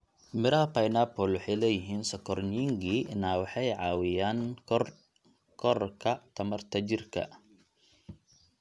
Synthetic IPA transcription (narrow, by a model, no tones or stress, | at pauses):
mɪɾɐɐpɐjnaːpɔlwɔħɑjlɛːjɪɦiːnsɔkʰɔrniːŋɡiɪnaːwɑħɑjʕɑːwɪjaːnr | kʰɔrkʰɐt̪ʰɐmɐrt̪ʰɐt͡ʃɪrkʰɐ̰